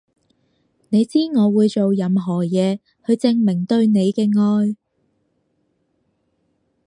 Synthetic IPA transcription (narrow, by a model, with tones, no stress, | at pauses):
ne˨˧jt͡siː˥ŋɔː˨˧wuː˨˧jt͡so˨wjɐ˨˧mɦɔː˨˩jɛː˨˧ | hɵ˧ɥt͡sɪ˧ŋmɪ˨˩ŋt̪ɵ˧ɥne˨˧jkɛː˧ŋɔː˧j